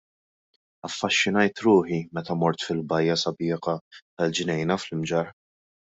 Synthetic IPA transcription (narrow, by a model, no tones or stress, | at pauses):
ɐfːɐʃːɪnɐjt̪ɾʊːħimɛt̪ɐmɔɾt̪fɪlbɐjːɐsɐbɪːqɐt̪ɐld͡ʒnɛjnɐflɪmd͡ʒɐɾ